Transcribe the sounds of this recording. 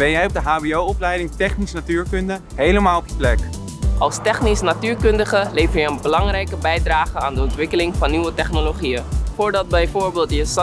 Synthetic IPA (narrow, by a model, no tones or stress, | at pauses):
b̥ɛnjɛjɔb̚dəɦaːbiowɔplɛjdɪŋtɛχnisnatyːɹkɵndə | ɦejləmaːlˠɔpjəplɛk | ʔɑlˠstɛχnisnatyːɹkɵndəχəlejvəɹjəənbəlɑŋrɛjkəbɛjdraːχəaːndəɔntʋɪkəlɪŋvɑnːyʋətɛχnoloχijənfʊːɹdɑt̚bɛjvʊːɹbeːlˠtjəs